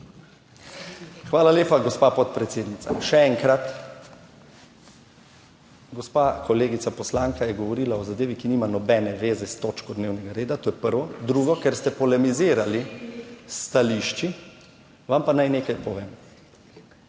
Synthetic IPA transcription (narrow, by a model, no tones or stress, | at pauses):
xʋaːlaleːpaɡɔspapɔt̪̚pɾɛt̪seːd̪nit̪a̰ʃɛɛŋkɾat̪ | ɡɔspaːkɔleːɡit̪sapɔslaːŋkajɛɡɔʋɔɾiːlaɔzad̪eːʋikiniːmanɔbɛnɛʋeːzɛst̪oːt͡ʃkɔd̪neːwnɛɡaɾeːd̪at̪oːjɛpəɾʋɔd̪ɾuɡɔkɛɾst̪ɛpɔlɛmiziːɾalist̪aliʃt͡ʃi | ʋampanajneːkajpɔʋeːm